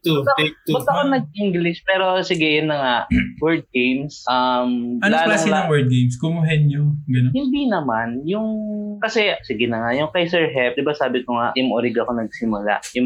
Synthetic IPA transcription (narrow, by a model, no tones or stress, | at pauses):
t̪uʊɐt̪bʊt̪ːɐkonɐɡ̚ʔiŋɡlɪʃpɛːɾo̞sɪɡɛjʊnːɐŋawɛɹd̪̚ɡejmsʔɐmɐnlaːlklaːsŋlɐɐŋwɛɹd̪̚ɡejmskʊmʊɦɛnɲoɡɐnohɪnd̪inɐmanjʊŋkɐsɛsɪɡɛnɐŋajʊŋkajsɛɹɦɛp̚d̪ɪbasaːbɪkoŋaʔjʊŋʔoɾɪɡɐko̞nɐɡ̚sɪmʊla̰ʔjʊ